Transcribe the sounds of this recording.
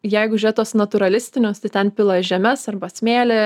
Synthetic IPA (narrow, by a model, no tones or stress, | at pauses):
jɛɪɡʊʒʲʊɾʲet̪oɔsnɐt̪ʊɾɐlʲɪsʲt̪ʲɪnʲoːst̪ɐɪt̪ʲɛnpʲɪlˠɐʒʲɛmʲɛsɐrbɐsʲmʲeːlʲɪ